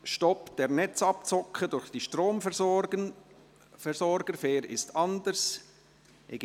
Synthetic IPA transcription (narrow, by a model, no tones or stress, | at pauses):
ʃtɔpd̥ɛːɾnɛt͡sɑpt͡sɔkχədʊɾχd̥iːʃtɾoːmf | fɛsɔɾɡ̥əfeːɾɪstʰɑndəɾs | ḛɡ